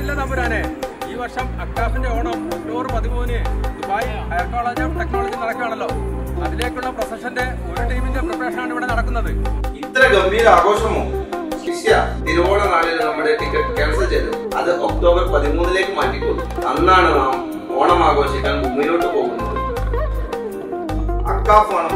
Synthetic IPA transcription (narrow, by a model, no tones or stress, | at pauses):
ilːɐnɐmbɐɾaːneiːʋɐrʂɐmɐkʈaːsinde̞oːɳɐmokʈoːbɐrpɐðimuːnnd̪ubaːjiɐɦɐjɐrkoːɭeːd͡ʑaːmɽɐknoːɭɐd͡ʑilnɐɽɐkːaːɳɐlːo̞ːɐðile̞ːkʲːuɭːɐprɐsɐʂɐnde̞oɾuʈɐjmindeprɐprɐːʂɐnaːɳiʋɐɳenɐɽɐkːunːɐðɨit̪ːɐɾɐɡɐmːijɐlaːɣo̞ːɕɐmoːsiɕijɐt̪iɾuʋoːɳɐnaːɭilnɐmːɐɽe̞ʈikʲːɐʈːɨkeːɭsɐlt͡ɕeːt̪ːɨɐ̰ðɨʔok̚ʈo̞ːbɐrpɐðimuːnile̞ːkːɨmaːʈːikʲːumɐnːaːɳɨnaːm | oːɳɐmaːɣo̞ːɕikʲːaːnɡumːinoːʈːɨpo̞ːɣunːɐðɨ | ɐ̰ʈkaːfaːɳɨ